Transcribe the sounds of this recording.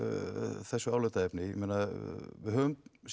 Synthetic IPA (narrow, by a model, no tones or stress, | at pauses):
θɛsːʏawlœt̪aɛpnɪjmeːnavɪɦœvʏms